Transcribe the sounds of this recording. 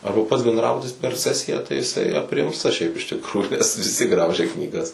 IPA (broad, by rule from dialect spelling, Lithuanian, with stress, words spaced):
ˈɐrbɐ pɐts bʲɛndˈrɑːbʊtʲɪs pʲɛr ˈsʲæːsʲɪjæː tɐɪ jɪˈsɐɪ ɐpʲˈrʲɪmstɐ ʃʲɛɪp ɪʃ tʲɪkˈruːjuː nʲɛs ʋʲɪˈsʲɪ ˈɡrɐʊʒʲɛ knʲiːˈɡɐs